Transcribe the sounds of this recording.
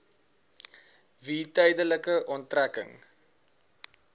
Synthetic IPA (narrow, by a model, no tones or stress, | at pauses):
viːtœjdələkəʔɔntrækə̰ŋ